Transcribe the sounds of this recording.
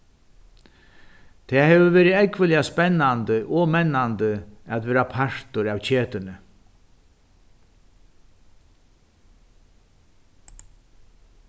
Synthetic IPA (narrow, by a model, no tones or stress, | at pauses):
t̪ʰɛːhɛːvəvɛːɾɪɛkʋɪlɪaspɛnːant̪əʔɔmɛnːant̪əat̪ʋɛːɾapʰaɹ̥t̪ʊɾawt͡ɕʰeːt̪ɪnɪ